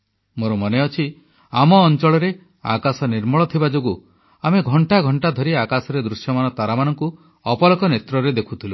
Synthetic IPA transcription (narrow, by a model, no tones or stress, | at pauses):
moɾɔmɔneɔt͡ʃʰi | amɔːnt͡ʃɔɭɔɾe | a̰kasɔniɾmɔɭɔt̪ʰibad͡ʒoɡu | ameɡʱɔɳʈaɡʱɔɳʈad̪ʱɔɾiakasɔɾed̪ɾusjɔmanɔt̪aɾamanɔŋku | ɔpɔlɔkɔnet̪ɾɔɾed̪ekʰut̪ʰilu